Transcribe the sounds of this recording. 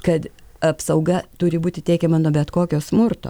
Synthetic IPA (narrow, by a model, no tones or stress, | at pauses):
kɐt̪ɐpsɐʊɡɐt̪ʊɾʲɪbuːt̪ʲɪt̪ʲɛɪkʲɛmɐnuɔbʲɛt̪koːkʲoːsmʊrt̪o̰